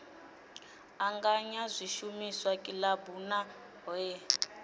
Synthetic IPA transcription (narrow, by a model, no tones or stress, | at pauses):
aŋɡaɲazʷiʃumiswakʼilabuna | ɛ